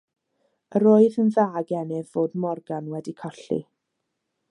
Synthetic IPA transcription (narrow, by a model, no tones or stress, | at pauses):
əɾoːɨðənðaːɡɛnɪðvoːdmɔrɡanwɛdikʰɔɬḭ